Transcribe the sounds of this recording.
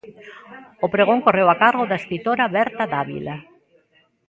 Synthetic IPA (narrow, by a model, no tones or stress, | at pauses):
opɾeɣ̞oŋkorewakaɾɣoðaeskɾit̪oɾaβɛɾt̪ad̪aβḭla